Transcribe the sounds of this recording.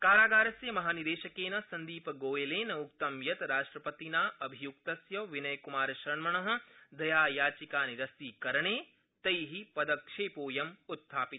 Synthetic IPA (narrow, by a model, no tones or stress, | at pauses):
kaːɾaːɡaːɾɐsjɐmɐɦaːnid̪eːʃɐkeːnɐsɐnd̪iːpɐɡoːjeleːnɐuk̚t̪ɐmjɐt̪ɾaːʂʈɾɐpɐt̪inaːʔɐbʱijuk̚t̪ɐsjɐʋinɐjkumaːɾɐʃɾɐɳmɐɳɐɦɐ̆d̪ɐjaːjaːt͡ʃikaːniɾɐsiːkɐɾɐɳeː | t̪ɐjɦipɐd̪ɐkʂeːpoːjɐmut̪ʰːaːpit̪